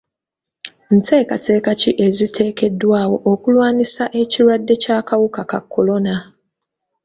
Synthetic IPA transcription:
n̩tʰeːkatʰe̞ːkaciʔezitʰe̞ːke̞dːwaːwo̞ʔokulwaːnisaʔe̞ciɾadːe̞caːkawukaka̰kʰːolona

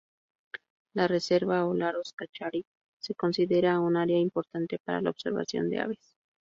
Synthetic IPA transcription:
larese̞ɾβaolaɾoskat͡ʃaɾi | se̞ko̞nsiðe̞ɾaunaɾeaimpoɾt̪ant̪e̞paɾa̰la̰oβse̞ɾβa̰sjo̞̰nd̪e̞̰a̰βes

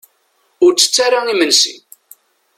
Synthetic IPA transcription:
ʊɾt͡sːə̥t͡sːaɾaimənsḭn

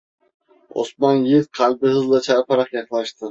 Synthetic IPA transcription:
o̰smɑnjiɾqʰɑlbɪhɨzlˠat͡ʃʰaɾpʰɑɾɑqjɑχlˠaʃt̪ʰɪ

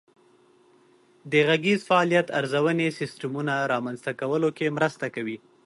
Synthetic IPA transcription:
d̪əɣaɡezfaɑlijat̪aɾzawənesɪsʈamunaɾɑmanzt̪akawəlokemɾəst̪akawi

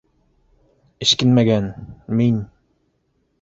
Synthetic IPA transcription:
ɘ̆ʃkɘnmæɡænmin

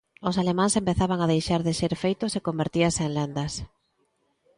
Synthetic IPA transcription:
osalemãnsempeθaβaŋaðejʃaɾðɪʃeɾfejt̪ʊsekombeɾt̪iɐsenlend̪ɐs

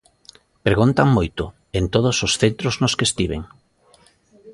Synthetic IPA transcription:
pɾeɣunt̪aŋmojt̪ʊ | ent̪oð̞ʊsosθent̪ɾoznoskest̪iβḛŋ

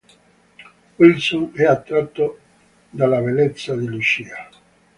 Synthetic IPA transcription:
wilsonɛat̪ːɾat̪ːo | d̪alːabelɛt̪sːad̪ilut͡ʃiːa

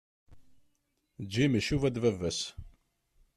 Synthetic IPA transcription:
d͡ʒːiməʃuvæd̪vævæs

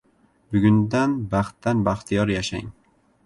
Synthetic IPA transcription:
bʊɡʲʊnd̪anbɑχt̪ːanbaχt̪ʰijɒɾjaʃa̰ŋ

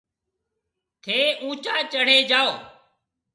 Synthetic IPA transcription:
t̪ʰeːũːt͡ʃaːt͡ʃəɽ̤eːd͡ʒaːoː

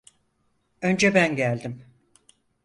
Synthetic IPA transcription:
ø̞nd͡ʒɛbænɟælʲd̪im

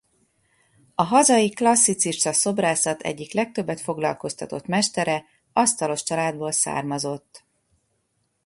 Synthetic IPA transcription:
ɒɦɒzɒjiklɒsːit̪siʃt̪ɒso̞braːsɒt̪ʰɛ̰ɟːiklɛk̚t̪ø̞bːɛt̪fo̞ɡlɒ̰lko̞st̪ɒt̪o̞t̪mɛʃt̪ɛɾɛ | ɒst̪ɒlo̞ʃt͡ʃɒlaːd̪boːlsa̰ːrmɒzo̞t̪ː

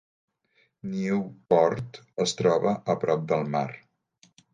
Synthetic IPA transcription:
niupɔɾt̪ | əst̪ɾɔβəʔəpɾɔp̚d̪əlˠma̰ɾ

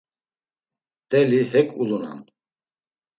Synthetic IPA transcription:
d̪̥ɛlihɛkʼuluna̰n

